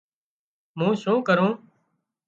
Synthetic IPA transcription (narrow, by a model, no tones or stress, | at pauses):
mũːʃũːkəɾũː